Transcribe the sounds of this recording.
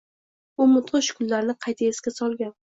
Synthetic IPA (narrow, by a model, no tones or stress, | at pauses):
ʊmʊt̪ʁɨʃʊ̥kʰʊlːaɾnɪqʰɑjt̪ʰaeskʲasɒlˠɡʲan